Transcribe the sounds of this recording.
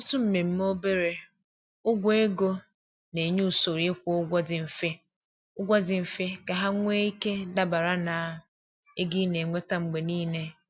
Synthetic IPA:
ʊ˦tʊ˦m̩˨me˨m̩˦m˦o˦be˦ɾe˨ | ʊ˦ɡʷe˦ɡo˦ | ne˨ɲu˦˨so˨ɾi˦ɪ˦kʷʊ˦ʊ˦ɡʷɔ˦dɪ˨m̩˨fe˦ | ʊ˦ɡʷɔ˦dɪ˨m̩˨fe˦ka˨ɦa˦ŋʷe˦i˦ke˦da˨ba˨ɾa˦na˨ | e˦ɡi˦ne˨ŋʷe˦ta˦ŋ͡m̩˨ɡ͡be˨niː˦ne˦

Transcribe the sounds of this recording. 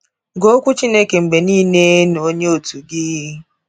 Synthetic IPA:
ɡo˦o˦kʷu˦t͡ʃi˦ne˦ke˨ŋ͡m̩˨ɡ͡be˨niː˦ne˦n˨o˦ɲe˦o˨tu˨ɡɪ˦

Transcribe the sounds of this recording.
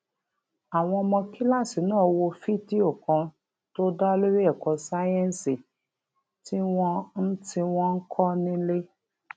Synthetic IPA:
a˨w̃ɔ̃˧ɔ˧mɔ̃˧ki˦la˦˨si˨nãː˦˨wo˧fi˦˨ti˦o˦˨kɔ̃˨˧ | to˦da˦lo˦ɾi˦ɛ˦˨kɔ˧sa˦jɛ̃˦n˨si˨ | ti˦w̃ɔ̃˧n̩˦ti˧w̃ɔ̃˧n̩˦kʰɔ˦nĩ˦le˦

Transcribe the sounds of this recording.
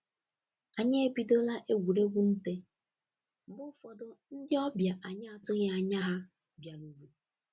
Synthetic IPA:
a˨ɲe˦e˦bi˨do˦la˦ʔe˦ɡʷu˨ɾe˦ɡʷu˦n̩˦te˦ | bʊ˦fɔ˨dʊ˨n̩˦dɪ˦ɔ˦bja˨ʔa˨ɲa˦a˨tʊ˦ɣe˦a˨ɲa˦ɦa˦ | bja˨lu˦ɾu˦

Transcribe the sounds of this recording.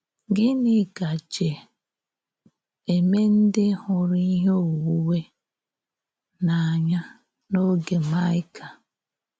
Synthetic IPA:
ɡɪ˦nɪ˨ɡa˨t͡ʃe˨ | e˨me˦n̩˦dɪ˦hʊ˨ɾi˦i˦ɦe˦o˨wu˦we˦ | na˨a˨ɲa˦ | no˦ɡe˨ma˦ɪ˦ka˨

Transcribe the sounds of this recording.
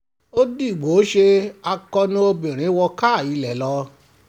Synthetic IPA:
o˦di˦˨ɡ͡bo˨˦ʃe˧a˧kɔ˧nũ˦o˧bĩ˨ɾ̃ĩ˨˦wɔ˧ka˦˨i˨˧lɛ˨lɔ˧

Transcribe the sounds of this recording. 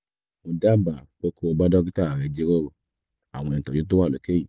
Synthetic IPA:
mõ˧da˦ba˨k͡po˦kʰo˦˧ba˦dɔ˦ɡi˦ta˦˨ɾɛ˨˧d͡ʒe˦ɾo˦ɾo˨ | a˨w̃ɔ̃˧n˨tɔ˨i˨˦t̬o˦wa˦˨lo˨˦ke˦ji˨

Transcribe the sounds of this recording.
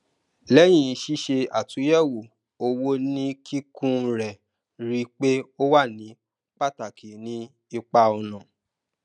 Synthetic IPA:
lɛ˦j̃ĩ˧˨˧ʃi˦ʃe˧a˨tũ˨˦jɛ˦˨wu˨ | o˧wo˦nĩ˦kʰi˦kũ˦˧ɾɛ˨ | ɾi˦k͡pe˦o˦wa˦˨nĩ˨˦ | k͡pa˦˨ta˨kʰi˨nĩ˧˦ | i˧k͡pa˧ɔ˧nã˨

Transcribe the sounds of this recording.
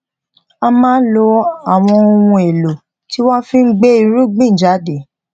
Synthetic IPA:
a˧mãː˦lo˧a˨w̃ɔ̃˧o˧wũ˧e˨lo˨ | ti˦w̃ɔ̃˦fĩ˦n̩˦ɡ͡be˦i˧ɾũ˦ɡ͡bĩ˦˨d͡ʒa˨˦de˨

